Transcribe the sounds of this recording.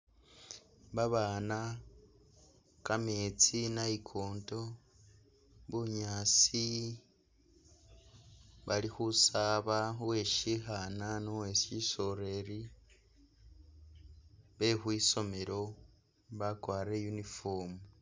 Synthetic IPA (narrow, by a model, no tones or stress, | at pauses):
βaβaːna | kame̞ːt͡sinaikʰoːnto̞ | βuɲat͡si | βalixusaβauwe̞ʃixananowe̞ʃiso̞ɾe̞ɾi | βe̞xwiːso̞me̞ɾo̞ | βakwaːɾejunifoːmu